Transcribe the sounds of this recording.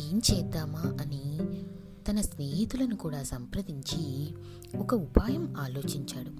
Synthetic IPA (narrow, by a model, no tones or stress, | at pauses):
eːmt͡ʃɛːd̪ːaːmaːɐni | t̪ɐnɐsneːɦit̪ulɐnukuːɽaːsɐmpɾɐd̪iɲt͡ʃi | ɔkɐupaːjɐmaːlo̞ːt͡ʃiɲt͡ʃaːɽu